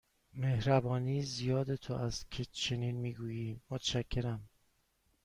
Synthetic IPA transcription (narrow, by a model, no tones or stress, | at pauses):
me̞hɾæbɒːniːzijɒːd̪e̞t̪ʰoʔæst̪cʰet͡ʃʰe̞niːnmiːɡuːjiːmot̪ʰʃæcʰːe̞ɾæm